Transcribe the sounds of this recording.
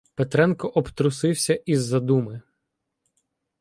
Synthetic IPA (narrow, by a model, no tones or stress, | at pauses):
pet̪ɾɛnkɔʔɔpt̪ɾʊsɪwsʲɐʔizːɐd̪umɪ